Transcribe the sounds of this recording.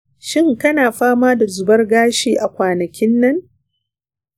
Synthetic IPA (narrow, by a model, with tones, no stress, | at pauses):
ʃɪ˦ŋkɐ˦naː˨ɸaː˦maː˦da˨zʊ˨bɐ˦rɡaː˦ʃeː˨ʔa˨kʷaː˨nɐ˨kʲɪ˦nːɐ˦ŋ